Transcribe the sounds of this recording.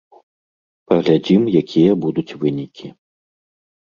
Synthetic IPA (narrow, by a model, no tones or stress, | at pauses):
pɐɣlʲad͡zʲimjakʲʰijɐbud̪ut͡sʲvɨnʲikʲi